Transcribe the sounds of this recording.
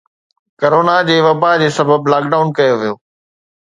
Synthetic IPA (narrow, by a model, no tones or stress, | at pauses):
kɐɾoːnad͡ʑeːʋɐbad͡ʑeːsɐbʱəblaːkɖaːʊnkɐjoʋijoː